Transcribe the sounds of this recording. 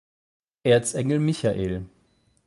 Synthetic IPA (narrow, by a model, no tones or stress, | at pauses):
ʔeːɐt͡sɛŋl̩mɪçaʔeːl